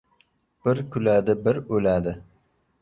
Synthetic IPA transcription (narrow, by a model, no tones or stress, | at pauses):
b̥ɪɾkʲʰylæːd̪ɪbɪɾølæːd̪ɪ